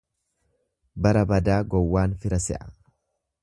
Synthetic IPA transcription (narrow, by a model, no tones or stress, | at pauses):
bɐɾɐbɐd̪aːɡɔwːaːnfɪɾɐsɛ̰ʔɐ̥